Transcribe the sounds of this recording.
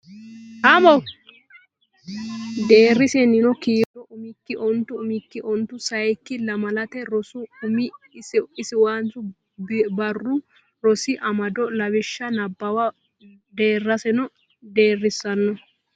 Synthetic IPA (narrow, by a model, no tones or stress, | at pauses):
tamɔw | d̪e̞ːrːɪsɛnːɪnɔkiːd̪ɔʔʊmɪkːɪʔɔnt̪ʊʊmɪkːɪʔɔnt̪ːʊsɐjkːɪlɐmɐlɐt̪ɛɾɔsʊʊmɪ | sɪsɪwaːnt͡sʊ | bɐrːʊ | ɾɔsɪʔɐmɐd̪ɔlɐbɪʃːɐnɐbːɐwɐ | d̪e̞ːrːɐsɛnɔ | d̪e̞ːrːɪsːɐnːɔ